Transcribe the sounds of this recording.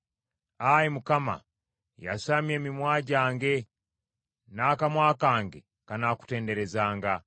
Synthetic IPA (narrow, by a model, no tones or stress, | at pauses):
ajimukama̰ | ja̰saːmje̞ːmimwaːɟaːŋɡe̞ | naːkamwaːkaːŋɡe̞̰ | kanaːku̥te̞ːnde̞ɾe̞zaːŋɡa